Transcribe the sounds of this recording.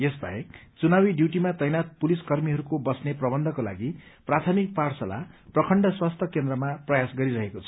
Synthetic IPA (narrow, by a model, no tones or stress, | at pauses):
jesbʱʌ̰ekt͡sunabiɖjuʈimat̪ʌjnat̪̚puliskʌrmiɦʌɾukobʌsneprʌbʌnd̪ʱʌkola̰ɡi | prat̪ʰʌmik̚parsʌla̰prʌkʰʌɳɖʌswast̪ʰjʌkend̪ɾʌmaprʌjasɡʌɾiɾʌɦekot͡sʰʌ̥